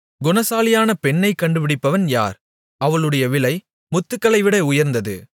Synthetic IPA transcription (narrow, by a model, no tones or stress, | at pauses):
ɡʊnɐsaːlɪjaːnɐpɛɳːɐɪkːɐɳɖɯʋɪɽɪpːɐʋɐnja̰ːɾ | ɐʋɐɭɯɽɐjɐʋɪlɐɪ | mʊt̪ːɯkːɐɭɐɪʋɪɽɐʊjɐɾnd̪ɐðɯ̰